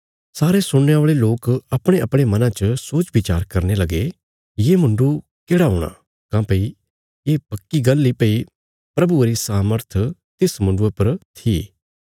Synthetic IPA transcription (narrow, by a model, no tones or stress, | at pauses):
saːɾesʊɽneoːɭeloːkɐpɽ̃eɐpɽ̃emɐnãt͡ʃəsoːt͡ʃbɪt͡ʃa̰ːɾkɐɾnelɐɡe | jeːmʊ̃ɳɖu | keːɽaɦoːɽ̃a̰ | kãːpɐi | eːpɐkːiɡɐlːipɐi | pɾɐbuɾisaːməɾt̪ʰt̪ɪsmʊ̃ɳɖuepɐɾt̪ʰiː